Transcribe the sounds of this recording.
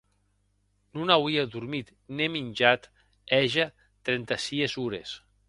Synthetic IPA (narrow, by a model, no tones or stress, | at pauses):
nunawiaðuɾmit̪ | neminʲd͡ʒat̪ | ɛʒa | t̪ɾɛnt̪asiezuɾes